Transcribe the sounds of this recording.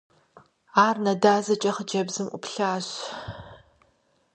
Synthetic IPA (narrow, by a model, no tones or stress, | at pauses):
aːrnɐdaːzɐt͡ʃʼɐχəd͡ʒɐbzɨmʔʷʊ̰pɬaːɕ